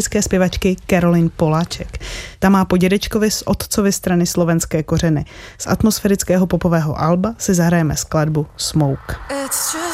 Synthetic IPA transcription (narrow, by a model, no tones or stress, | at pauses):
ɪt͡skɛːspjɛvat͡ʃkɪkɛɾo̞lɪnpo̞laːt͡ʃɛkt̪amaːpo̞ɟɛdɛt͡ʃko̞vɪsʔo̞t̪t͡so̞vɪst̪ɾanɪslo̞vɛnskɛːko̞r̝ɛnɪ | sʔa̰t̪mo̞sfɛɾɪt͡skɛːɦo̞popo̞vɛːɦo̞̰ʔalbasɪzaɦɾajɛmɛskladbusmo̞wk